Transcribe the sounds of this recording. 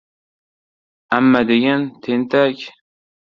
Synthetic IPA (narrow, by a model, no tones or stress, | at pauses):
amːad̪eɡʲant̪ʰent̪ʰakʲ